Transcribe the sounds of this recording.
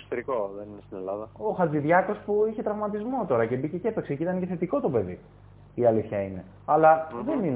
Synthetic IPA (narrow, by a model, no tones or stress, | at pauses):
kso̥t̪eɾikoðeninest̪ine̞lɐðɐoxɐt͡siðʝɐko̞spuiçe̞t̪ɾɐvmɐt̪izmo̞t̪o̞ɾɐce̞bice̞cepe̞ksecit̪ɐnce̞θe̞t̪iko̞t̪ope̞ðḭ | iɐliθçɐine̞ | ɐlɐðenin